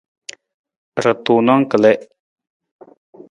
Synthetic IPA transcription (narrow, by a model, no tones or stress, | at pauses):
ɾət̪uːnaŋkəleʔ